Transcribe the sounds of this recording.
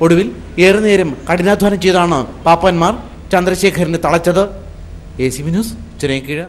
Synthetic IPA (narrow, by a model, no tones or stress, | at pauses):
o̞ɽuʋil | eːrɨne̞ːɾɐmkɐɽinaːd̪ʱʋaːnɐmt͡ɕe̞jðaːɳɨpaːpːɐnmaːr | t͡ɕɐnd̪rɐɕe̞ːkʰɐɾinet̪ɐɭɐt͡ɕːɐðɨ | eːsiminuːs | t͡ɕɾeːŋkiɻɐ